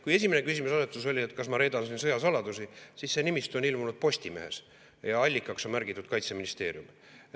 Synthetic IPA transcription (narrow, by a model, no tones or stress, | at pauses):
kuje̞sʲimine̞kysimusɑset̪ːˑuso̞lʲiet̪ːˑkɑsmɑɾe̞ːd̪ɑnsinsɤjɑsɑlɑd̪̥usisisːe̞nimist̪uonilmunud̪̥̚po̞sʲt̪ʲime̞̰ɦe̞̰s | jɑɑlʲːikːˑɑkso̞nmærɡ̥it̪ːˑud̪̥kɑjt̪se̞minist̪e̞̰ːɾjum